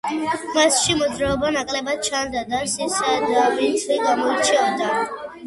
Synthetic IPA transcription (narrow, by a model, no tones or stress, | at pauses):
masʃimɔd̪zɾaɔbanakʼlɛbat͡ʃʰand̪ad̪asisad̪abit̪sʰliɡamɔit͡ʃʰiɔd̪a